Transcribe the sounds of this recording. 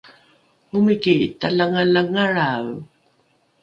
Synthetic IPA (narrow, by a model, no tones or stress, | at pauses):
ʊmɪkit̪alaŋalaŋaɻa